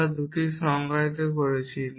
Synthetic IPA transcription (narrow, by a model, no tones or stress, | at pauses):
ad̪utisɾɔŋɡait̪ekoɾet͡ɕʰin